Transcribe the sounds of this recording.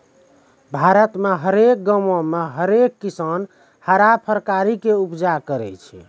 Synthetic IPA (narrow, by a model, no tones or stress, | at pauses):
bʱaɾət̪meɦəɾek̚ɡəmõmeɦəɾekːisan | həɾapʰəɾkaɾikeupd͡ʒakəɾɛ̰t͡ʃʰɛ̰